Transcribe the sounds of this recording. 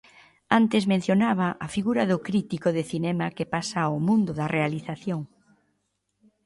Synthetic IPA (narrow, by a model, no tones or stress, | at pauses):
ant̪ɪzmẽn̟θjonaβ̞ɐʔafiɣuɾɐðʊkɾit̪ikoðɪθinɛmɐkepasɐomũnd̪ʊðɐrʔealiθaθjoŋ